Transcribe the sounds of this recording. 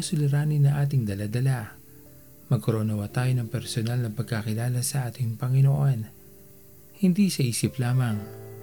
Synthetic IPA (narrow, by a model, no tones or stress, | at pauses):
ɐsʊlɪɾaːnɪnːɐŋʔaːt̪ɪŋd̪ɐlad̪ɐla | mɐɡ̚kɐɾonɐwat̪aːjo̞nɐŋpɛɾsonalnɐpɐɡ̚kɐkɪlaːlɐsɐʔaːt̪ɪŋpɐŋɪnoʔo̞n | hɪnd̪isɐʔiːsɪplaːmɐŋ